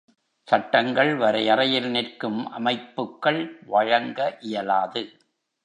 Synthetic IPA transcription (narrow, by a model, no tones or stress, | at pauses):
sɐʈːɐŋɡɐɭʋɐɾɐjɐrɐjɪlnɪrkɯmʔɐ̰mɐɪpːɯkːɐɭʋɐɻɐŋɡɐʔɪjɐlaːðɯ